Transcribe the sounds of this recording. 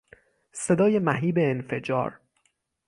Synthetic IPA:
se̞d̪ɒːje̞mæɦiːbeːnfe̞d͡ʒɒ̰ːɾ

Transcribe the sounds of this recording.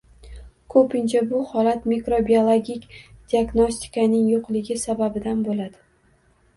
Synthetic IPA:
kʰɵpʰɪnt͡ʃʰabʊhɒlat̪mikɾobiolˠoɡʲikʲd̪̥ʲiaɡnosʲt̪ʰi̥kʰanɪŋjoqlɪɡʲɪsababɪd̪anbolad̪̥ɪ

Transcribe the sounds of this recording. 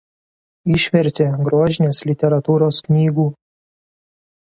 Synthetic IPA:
ɪʃʲʋʲɛɾʲt̪ʲeɡɾuɔʒʲɪnʲeːslʲɪt̪ʲɛɾɐt̪uːɾoːsknʲiːɡuː

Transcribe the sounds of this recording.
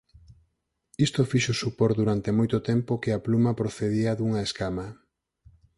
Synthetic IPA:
ist̪ofiʃosupoɾd̪uɾant̪emojt̪ʊt̪ɛmpokɪɐplumɐpɾoθeðiɐðuŋɐeskamɐ

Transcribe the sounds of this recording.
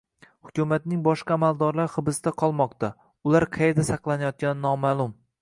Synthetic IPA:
hʊkʲʊmat̪̚nɪŋbɒʃqɑːmalˠd̪ɒɾlaɾχɨbɪsd̪aqʰɒlˠmɒqt̪a | ʊlˠaɾqʰɑjeɾd̪asɑqlˠanajɒt̪̚ɡʲanɪnɒmaːlˠʊm

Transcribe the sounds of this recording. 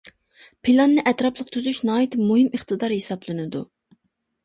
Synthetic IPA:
pʰilˠɑnːɨʔɛt̪ɾɑplˠəqt̪ʰyzyʃnɑːit̪muɦɪməχt̪ɨd̪ɑɾhesɑblˠɨnɨd̪ṵ

